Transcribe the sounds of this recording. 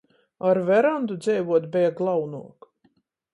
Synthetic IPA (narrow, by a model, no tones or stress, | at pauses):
aɾvɛɾand̪ud̪zʲɛjvuɔt̪bɛjaɡlˠawnuɔk